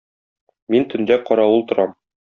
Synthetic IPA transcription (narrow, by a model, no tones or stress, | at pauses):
mint̪ɵ̆nd̪æqɒɾɑwulˠt̪ŏɾɑm